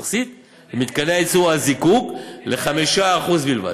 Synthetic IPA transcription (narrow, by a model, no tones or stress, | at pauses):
χsit̪ | vemit̪kanet͡suazikukleχamiʃaːχuzbilva̰